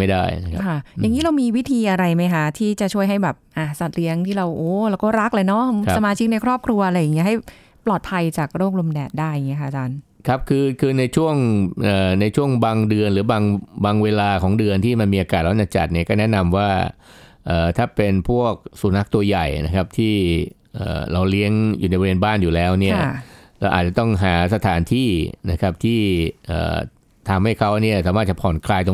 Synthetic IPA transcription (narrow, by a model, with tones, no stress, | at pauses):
ma˥˩jda̰ː˥˩jna˦˥kkkʰa˥˩ja˨˩ŋiː˦˥ɾa˧wmiː˧wi˦˥t̪ʰiː˧ʔa˧ɾa˧jma˦˥jkʰa˦˥t̪ʰiː˥˩t͡ɕa˨˩t͡ɕʰu˥˩əjɦa˥˩jbɛː˨˩p̚ʔa˧˩sa˨˩t̪̚li˨˦˥əŋt̪ʰiː˥˩ɾa˧wʔoː˨˩laː˧˥wkɔː˥˩ɾa˦˥k̚lɤː˧jnɔ˦˥ssa˧maː˧t͡ɕʰi˦˥k̚na˧jkʰɾɔː˥˩p̚kʰɾu˧ɐʔa˧ɾa˧jːa˨˩ŋːi˦˥ɐɦa˥˩j | plɔː˨˩t̪̚pʰa˧jt͡ɕaː˨˩k̚ɾoː˥˩k̚lo˧mdɛː˨˩t̪̚daː˥˩ja˨˩ŋːi˦˥ɐkʰa˥ʔt͡ɕaː˧nkʰa˦˥p̚kʰɯː˧kʰɯː˧na˧jt͡ɕʰu˥˩əŋʔəː˨˩na˧jt͡ɕʰu˥˩əŋbaː˧ŋdɯ˧ənlɯː˩˦baː˧ŋbaː˧ŋweː˧laː˧kʰɔː˩˦ŋdɯ˧ənt̪ʰiː˥˩ma˧nmiː˧ʔaː˧kaː˨˩t̪̚ɾa˧˥˩t͡ɕa˧˩t͡ɕa̰˨˩t̪̚ni˦˥˩kɔː˥˩nɛ˦˥ʔna˧mwaː˥˩ | ʔəː˨˩t̪ʰaː˥˩pe˧npʰu˥˩ək̚su˨˩˦na˦˥k̚t̪u˧ɐja˨˩jna˦˥kʰa˦˥p̚t̪ʰiː˥˩ | ʔə̰ː˨˩ɾa˧wli˦˥əŋjuː˨˩na˧jbweː˧nbaː˥˩njuː˨˩lɛː˦˥wni˥˩ɐlɛː˧wʔa̰ː˨˩t̪̚t͡ɕa˨˩t̪ɔ˥˩ŋɦaː˩˦sa˧t̪ʰaː˩˦nt̪ʰiː˥˩na˦˥kʰa˦˥p̚t̪ʰiː˥˩ʔə̰ː˨˩ | t̪ʰa˧mha˥˩jkʰa˦˥wni˥˩ɐsaː˨˦maː˥˩t̪̚t͡ɕa˨˩pʰɔː˨˩nkʰlaː˧jt̪ɔ˧